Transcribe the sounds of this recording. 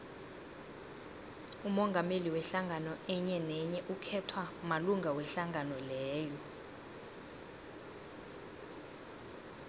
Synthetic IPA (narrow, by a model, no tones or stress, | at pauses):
umɔŋɡʱameliwɛɬaŋʱanɔɛɲɛnɛɲɛʔukʰɛtʰwamaluŋɡʱawɛɬaŋʱanɔlɛːjɔ